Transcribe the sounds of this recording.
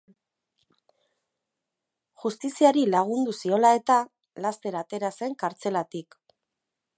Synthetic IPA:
ʝust̪isiaɾilaɣ̞und̪usio̞lae̞t̪a | last̪e̞ɾaːt̪e̞ɾase̞ŋkaɾt͡se̞lat̪ik

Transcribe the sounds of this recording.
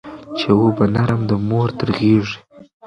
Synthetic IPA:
t͡ʃewobanaɾamd̪əmoɾt̪əɾɣeʐi̥

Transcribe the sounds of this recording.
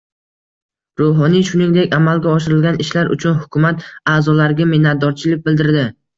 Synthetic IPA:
ɾoɦɒnijʃʊnɪŋd̪e̞kʲamalɡʲaɒʃɪɾɪlɡʲanɪʃlaɾʔʊ̰t͡ʃʰʊnhʊkʲʰʊmat̪aːzɒlaɾɡʲamenat̪̚d̪ɒɾt͡ʃʰɪlɪk̚ʲbɪld̪ɪɾd̪ɪ

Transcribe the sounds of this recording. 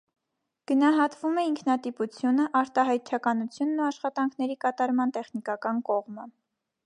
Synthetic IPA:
ɡ̥ənɑɦɑt̪vumɛiŋkʰnɑt̪iput͡sʰjunəʔɑɾt̪ɑɦɑjt̪̚t͡ʃʰɑkɑnut͡sʰjunːuɑʃχɑt̪ɑŋkʰn̪ɛɾikɑt̪ɑɾmɑnt̪ɛχnikɑkɑnkɔʁmə

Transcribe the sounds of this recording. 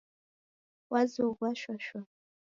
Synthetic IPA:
wʔazoɡʷaʃʷᶣaʃa

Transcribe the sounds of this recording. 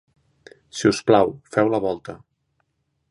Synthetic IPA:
siusplawfɛwləβ̞ɔlˠt̪ə

